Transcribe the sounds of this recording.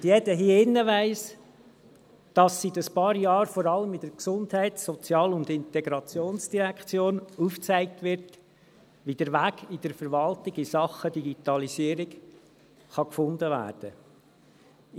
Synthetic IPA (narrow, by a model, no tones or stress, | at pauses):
djɛd̥əɦiəɪnːəʋæɪs | d̥ɑsidəspɑːɾjɑːɾfɔɾɑləmɪd̥əɾksʊndhæɪtsɔt͡sjɑːlʊnd̪ɪntɛɡɾɑt͡sjoːnsd̥iɾækχt͡sjoːnuːft͡sæɪk̚tʋɪɾt | ʋid̥əɾʋæːɡ̥id̥əɾfəɾʋɑltɪɡɪsɑχəd̥iɡitɑlisiəɾiɡ | χɑkfʊndəʋæ̰ːɾd̥ə̰